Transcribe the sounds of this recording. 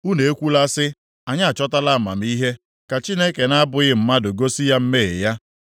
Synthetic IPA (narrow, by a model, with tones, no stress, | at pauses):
u˦ne˨e˦kʷu˦la˦sɪ˦ | a˨ɲa˦a˨t͡ʃɔ˦ta˦la˦˨ma̰˨m̩˦i˦ɦe˦ | ka˨t͡ʃi˦ne˦ke˨na˦a˦bʊ˨ɣɪ˦m̩˦ma˦dʊ˨ɡo˦si˦ja˦m̩˦me˦˨ḛ˨ja˦